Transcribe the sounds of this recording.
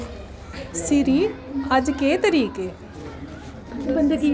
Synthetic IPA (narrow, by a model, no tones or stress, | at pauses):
sɪɾiːəd͡ʒkeːt̪əɾiːkeː | bənd̪